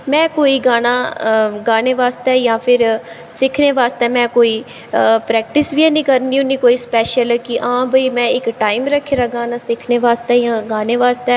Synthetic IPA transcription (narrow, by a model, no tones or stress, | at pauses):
mɛ̃ːkoːiːɡaːnaːɡaːneːʋaːst̪ɛːjãːpʰɪɾ | sɪkʰneːʋaːst̪ɛːmɛ̃ːkoːiː | pɾɛːk̚ʈɪsʋiɛ̃ːnĩːkəɾniːunĩːkoːiːspɛːʃəlkɪʔãːbʱəiːmɛ̃ːɪkʈaːɪmɾəkʰːeːɾaːɡaːnaːsɪkʰneːʋaːst̪ɛːjãːɡaːneːʋaːst̪ɛː